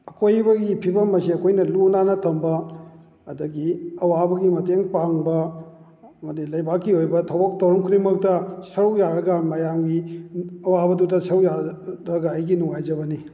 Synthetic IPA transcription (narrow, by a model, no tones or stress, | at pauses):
ɐkʰojbɐɡipʰibɐmɐsiɐkʰojnɐlunanɐtʰɐmbɐ | ɐdɐɡiɐwabɐɡimɐteŋpaŋbɐ | ɐmɐdilɐjbakːiojbɐtʰɐwbok̚tɐwɾɐmkʰuɾimɐk̚tɐsɐɾwjaɾɐɡɐmɐjamɡiɐwabɐdutɐsɐɾujaɾɐɡɐːjɡinuŋajd͡ʒɐbɐni